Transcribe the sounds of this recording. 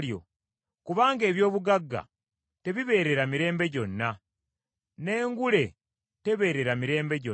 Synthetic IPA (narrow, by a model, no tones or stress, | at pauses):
jo̞̰ | kuβaːŋɡe̞ːβjo̞ːβuɡaɡːa̰ | te̞βiβe̞ːɾe̞ɾamiɾe̞ːmbe̞ɟo̞nːa | ne̞ːŋɡule̞ | te̞βe̞ːɾe̞ɾamiɾe̞ːmbe̞ɟo